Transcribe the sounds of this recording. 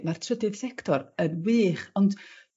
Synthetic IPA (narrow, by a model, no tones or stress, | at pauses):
martʰrədɨð̥sɛktʰɔɾənwiːχɔnd